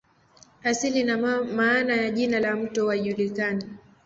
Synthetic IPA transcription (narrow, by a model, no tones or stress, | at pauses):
asilinamaːnajaʄinalam̩tɔwaʄulikani